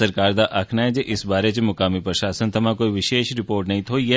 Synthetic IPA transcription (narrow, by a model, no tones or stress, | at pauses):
əɾkaɾd̪aʔakʰnaed͡ʒeʔɪsbaɾet͡ʃemʊkaːmipɾəʃasənt̪əmãkoːiʋɪʃeʃɾɪpoːɾʈnɐɦĩt̪ʰoije